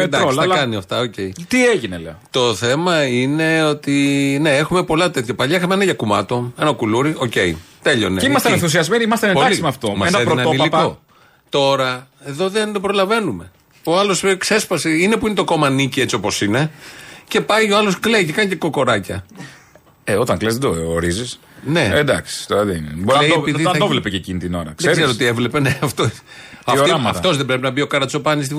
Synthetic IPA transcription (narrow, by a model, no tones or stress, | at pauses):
ed̪ɐkssɐkɐniɐft̪ɐoce̞it̪ieʝinḛlḛot̪o̞θe̞mɐine̞o̞t̪ine̞exume̞po̞lɐt̪e̞t̪çɐpɐʎɐixɐmeenɐʝɐkumɐ̰t̪o̞enɐkuluɾiʔo̞ce̞̰it̪e̞ʎo̞̰neiimɐst̪eneθus̬iɐzmeniimɐst̪enenpoɐklisimeɐft̪omɐɐeðɾoniliko | t̪o̞ɾɐeðo̞ðenbɾo̞lɐve̞nume̞ | oɐlo̞skse̞sfɐseine̞puinet̪oko̞mɐnicie̞t͡sio̞po̞sine̞ce̞pɐjo̞ɐlo̞skle̞ice̞kɐnceko̞ko̞ɾɐcɐ̰ | eo̞t̪ɐŋklezðed̪oːɾizis | need̪ɐksi̥t̪oɾɐðiinebleepiðiɐnθɐd̪ovlepececinit̪ino̞̰ɾɐ̰ksðseezeɾoot̪ievle̞peneɐft̪o | ɐmɐft̪o̞zðebɾe̞pinɐbio̞kɐɾɐt͡sso̞pɐnis̬t̪i